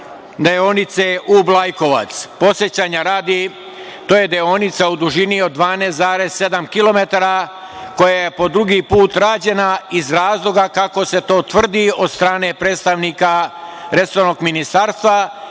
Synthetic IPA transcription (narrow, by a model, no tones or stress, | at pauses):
d̪eonit̪se̞ʔublajko̞ʋa̰t̪spo̞sje̞t͡ɕaːɲaɾaːd̪i | t̪o̞ːje̞d̪eonit̪saud̪uʒinio̞d̪ːʋaːneːszaːɾe̞sse̞d̪amkilo̞me̞t̪aɾa | ko̞jaje̞po̞d̪ɾuɡipuːt̪ɾaːd͡ʑe̞naizɾaːzlˠo̞ɡakako̞se̞t̪o̞ːt̪ʋr̩d̪io̞d̪st̪ɾaːne̞pɾeːt̪st̪aʋnikaɾe̞soɾno̞ɡminist̪aːɾst̪ʋa